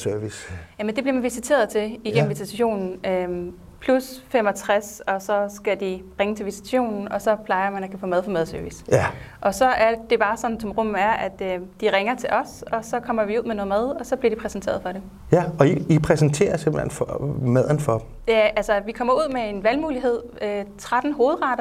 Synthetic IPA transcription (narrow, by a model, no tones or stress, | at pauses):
søɐʋisjæmend̥e̝b̥liɐmænʋisit͡sʰe̝̰ːɐðˠt͡sʰe̝liɡ̥em̩ʋisiɕo̝̰ːnn̩ø | pʰlusfemɒt͡sʰʁasɒ̽sɒ̽sɡ̥æd̥iʁeŋət͡sʰe̝lʋisʰi̥t͡sʰæɕo̝̰ːnn̩ɒ̽sɒ̽pʰlɑ̈ɪɐmænækʰæfo̰ːmæð̞ˠfɒ̽mæðˠsøɐʋisæʔɒ̽sɒ̽ʔæɐd̥e̝b̥ɑ̈ːsɒ̽n̩sɒ̽mʁɔ̽m̰æɐʔæd̥ød̥iʁeŋɐt͡sʰe̝lʔɒ̽sɒ̽sɒ̽kʰɒ̽m̰ɐʋiuð̰ˠmeno̽ːð̩ˠmæð̞ˠɒ̽sɒ̽b̥liɐd̥ipʰʁɛsent͡sʰe̝̰ːɐðˠfɒ̽ɾ̥em | ɒiipʰʁɛsent͡sʰe̝̰ːɐsemb̥lḛnfɒmɛðˠn̩fɒd̥m | jæælsɐʋikʰɒ̽m̰ɐuð̞̰ˠmee̝nʋælmuːliɦe̝ð̞̰ˠøt͡sʰʁad̥n̩ɦo̝ːð̞̩ˠʁɑ̈ɾ̥ɐ